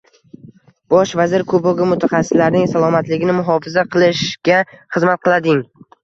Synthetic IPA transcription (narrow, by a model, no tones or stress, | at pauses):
b̥ɒʃvazɪɾkʰoboɡʊmʊt̪ʰaχɑsːɪ̥slaɾnɪŋsalˠɒmat̪lɪɡʲɪnɪmʊɦɒfɪzaqʰɨlˠɪʃkʲaχɨzmat̪̚qʰɨlˠad̪ɪŋ